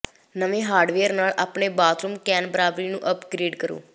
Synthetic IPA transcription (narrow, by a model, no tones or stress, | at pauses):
nəʋẽːɦaːɾɖʋeːəɾnaːɭaːpɳeːbaːt̪ɾuːmkɛːnbəɾaːbɾiːnũːʔəpɡɾiːɖkəɾṵː